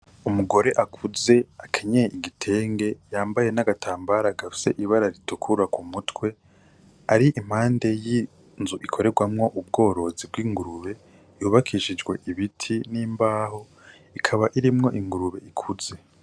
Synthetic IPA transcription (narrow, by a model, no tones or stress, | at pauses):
umuɡo̞ɾe̞ʔakʰuze̞akʰeɲejeʔiɡitʰe̞ːŋɡe̞jaːmbaje̞naɡatʰaːmbaɾaɡafi̥se̞ʔiβaɾaɾitukʰuɾakumutwe̞ | aɾiim̥haːnde̞ji | nzuʔikʰo̞ɾe̞ɡwamŋo̞ʔub̚ɡo̞ːɾo̞zib̚ɡwiːŋɡuɾuβe̞ | juːβakʰiʃid͡ʒɡwe̞̰ʔiβitʰiniːmbaːho̞ | ikʰaβaʔiɾimŋo̞ʔiŋɡuɾuβe̞̰ikʰuz̥e̞